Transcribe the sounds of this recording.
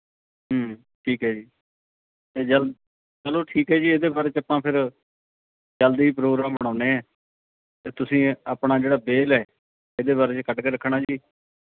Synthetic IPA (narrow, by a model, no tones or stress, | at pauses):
ɦə | ʈʰiːkɦɛːd͡ʒiː | t̪eːd͡ʒəl | t͡ʃəloːʈʰiːkɦɛːd͡ʒiːeːd̪eːbaːɾeːt͡ʃapãːpʰɪɾ | d͡ʒəld̪iːiːp̬ɾoːɡɾaːmbəəɽ̃ãːʊneːɛː | t̪eːt̪ʊsĩːaːpɳaːd͡ʒeːɽaːbeːlɛː | ed̪eːβaːɾeːt͡ʃkəʈkeːɾəkʰɽaːd͡ʒiː